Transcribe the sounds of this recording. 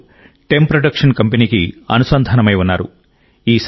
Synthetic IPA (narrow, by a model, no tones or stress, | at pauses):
ʈe̞mpɾoɖɐkʂɐnkɐmpeniːkḭɐ̰nusɐnd̪ʱɐnɐmɐjunːaːɾṵ | iːs